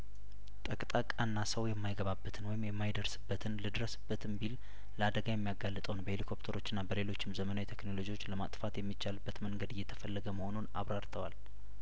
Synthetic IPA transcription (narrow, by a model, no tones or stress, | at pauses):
t̪ʼəkʼt̪ʼakʼːanːasəwjɛmːajɡəβabːət̪ʰɨnwɔjɪmjɛmːajd̪əɾsɨbːət̪ʰɨnlɨd̪ɾəsɨbːət̪ʰɨmbil | ləad̪əɡajɛmːijaɡalːət̪ʼəwnbəhelikʰo̞pt̪ʰəɾo̞t͡ʃːɪnːabəle̞lo̞t͡ʃːɪmzəmənawit̪ʰe̞knolod͡ʒiwot͡ʃːləma̰t̪ʼfat̪jɛmːit͡ʃːalɨbːət̪məŋɡəd̪ɨjːɛt̪ʰə̥fəlːəɡəməho̞nunaβɾaɾt̪ʰəwal